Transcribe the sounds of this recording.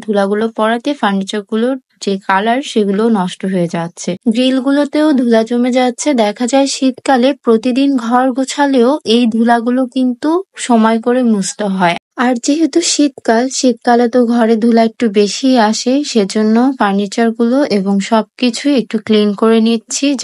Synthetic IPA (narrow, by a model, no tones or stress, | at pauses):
d̪ʱulaɡulopɔɾat̪efaɾnit͡ɕaɾɡuloɾ | d͡ʑekalaɾʃeɡulonɔʃʈoɦoed͡ʑatːɕʰeɡɾilɡulot̪eod̪ʱulad͡ʑomed͡ʑatːɕʰed̪ɛkʰad͡ʑaeʃit̪kalepɾot̪id̪inɡʱɔɾɡot͡ɕʰaleoejd̪ʱulaɡulokint̪uʃɔmɔekoɾemust̪oɦɔe | aɾd͡ʑeɦet̪uʃit̪kalʃit̪̚kalat̪oɡʱɔɾed̪ʱulaek̚ʈubeʃiaʃeʃed͡ʑonːofaɾnit͡ɕaɾɡuloʔeboŋʃɔb̚kit͡ɕʰuek̚ʈuklinkoɾenitːɕʰi